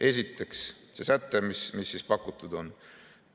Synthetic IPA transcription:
ʔe̞sʲit̪ːe̞ks | sesæt̪ːˑemismisːispɑkːˑut̪ːˑud̪̥o̞n

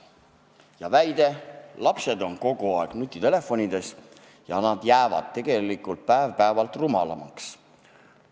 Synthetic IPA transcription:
jɑvæjd̪e̞lɑpse̞d̪o̞nko̞ɡ̥uɑeɡ̥nut̪ʲːˑit̪e̞le̞fːo̞nid̪e̞s | jɑnɑd̪̥jæːvɑ̰d̪̥t̪ːe̞ɡ̥e̞likːˑult̪̚pæevpæevɑlt̪rumɑlɑ̰mɑ̰ks

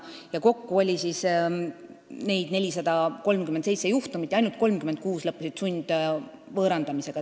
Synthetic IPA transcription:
jɑko̞kːuo̞lʲisis | ne̞jd̪̥ne̞lʲisɑd̪̥ɑko̞lmkymend̪sejt̪sejuht̪umit̪ːˑjɑjnult̪̚ko̞lmkyme̞nd̪̚kuːslɤpːusid̪̥sunʲd̪̥ | vɤːɾɑnd̪ɑmise̞ɡ̥ɑ

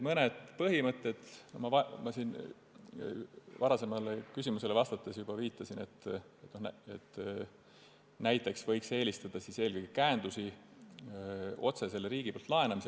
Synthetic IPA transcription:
mɤned̪̥pɤɦimɤt̪ːˑed̪̥nomɑvɑmɑsiːn | vɑɾɑse̞mɑlekysʲimuse̞levɑst̪ɑt̪ːˑesjub̥ɑviːt̪ːˑɑsine̞t̪ːet̪ːno̞net̪ː | næjt̪ːˑe̞ksvɤjkse̞ːlʲist̪ɑd̪̥ɑsise̞ːlɡɤjɡ̥ikæːnd̪̥usi | o̞̰t̪se̞se̞lːɾiːɡ̥ipolt̪lɑe̞nɑmise

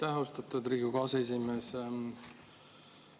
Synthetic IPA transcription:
t̪æɦust̪ɑt̪ud̪riːɡuɡɑːses̬imeːs

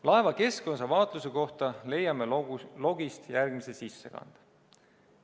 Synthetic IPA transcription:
lɑe̞vɑke̞sko̞nsɑvɑːt̪ˑluse̞ko̞ht̪ɑle̞jːɑmelo̞ɡ̥ist̪jærɡ̥mise̞sisːḛkɑ̰nd̪̥

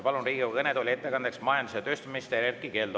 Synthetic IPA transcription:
pɑlunriːɡokɤned̪olʲie̞t̪ːe̞kɑnd̪̥e̞ksmɑjɑnd̪uset̪øst̪umist̪eɾerkike̞ːld̪

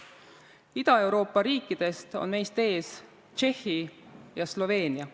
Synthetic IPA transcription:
id̪̥ɑe̞wɾo̞ːpːˑɑɾiːkːˑid̪̥e̞st̪o̰nme̞jst̪e̞ːs | t͡ʃe̞hːijɑslo̞ve̞ːniɑ

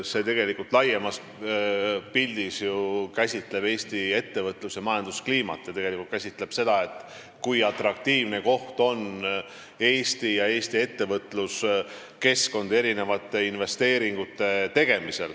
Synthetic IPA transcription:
se̞ːt̪e̞ɡe̞likult̪ˑlɑjemɑs | pilʲd̪̥isjukæsʲit̪le̞b̥e̞ːsʲt̪ie̞t̪ːe̞vɤt̪ˑlusjɑmɑjɑnd̪uskliːmɑ̰t̪ːˑjɑt̪e̞ɡ̥e̞likult̪kæsʲit̪ˑle̞b̥se̞d̪̥ɑe̞t̪ːˑ | kujɑt̪rɑk̚t̪iːvne̞ko̞ht̪o̞n | e̞ːsʲt̪ijɑe̞ːst̪ie̞t̪ːe̞vɤt̪ːˑlus | ke̞sko̞nd̪e̞ɾine̞vɑt̪ːˑe̞inve̞st̪e̞ːɾiŋɡ̥ut̪ːˑe̞t̪e̞ɡ̥e̞mise̞̰l

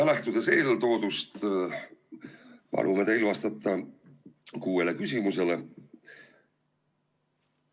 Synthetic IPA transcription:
læht̪ud̪̥ese̞ːlt̪o̞ːd̪̥ust̪ | pɑ̰lʔume̞t̪eilvɑst̪ɑt̪ːˑɑ | kuːelekysʲimuse̞le

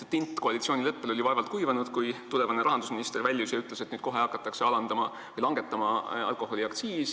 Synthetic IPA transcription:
t̪ːint̪ˑːko̞ɑlʲit̪sio̞ːnʲilɤpːelo̞lʲiɑevɑlt̪̚kujvɑnud̪̥kujt̪ule̞vɑne̞ɾʔɑɦɑnd̪usminist̪e̞rvælʲːjusjɑyt̪le̞se̞t̪nyːd̪̥̚ko̞ɦe̞ɑkːˑɑt̪ːˑɑkse̞ɑlɑnd̪ɑmɑ | vɯjlɑŋɡ̥e̞t̪ːˑɑmɑɑ̰lkˑo̞ɦo̞lʲiɑkt̪siːs

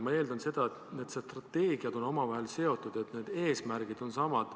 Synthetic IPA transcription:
mɑe̞ːld̪̥ɑnse̞d̪̥ɑet̪ned̪̥st̪rɑt̪ːe̞ːɡ̥iɑd̪̥o̞no̞mɑvɑɦe̞lse̞o̞t̪ːˑud̪̥et̪ne̞ːd̪̥e̞ːsmærɡ̥id̪̥o̞nsɑmɑd̪̥

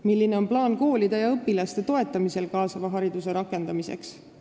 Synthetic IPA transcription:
milːine̞o̞nplɑːnko̞ːlid̪̥ejɑɤpːilɑst̪e̞t̪o̞e̞t̪ːˑɑmise̞lkɑːsɑvɑɦɑɾid̪̥use̞ɾɑkːˑe̞nd̪ɑmise̞̰ks

